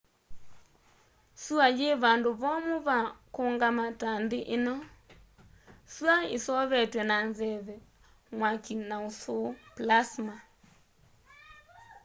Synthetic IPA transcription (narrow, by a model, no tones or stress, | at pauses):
suajeβandoβɔmoβakoŋɡamatandɪʔenɔ | suaesɔβɛtwɛnanzɛβɛ | mwakinaosʊplasma